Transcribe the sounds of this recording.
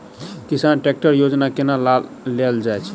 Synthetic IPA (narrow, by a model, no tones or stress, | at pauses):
kisanʈek̚ʈəɾjod͡ʒnakenal | leld͡ʒaet͡ʃʰ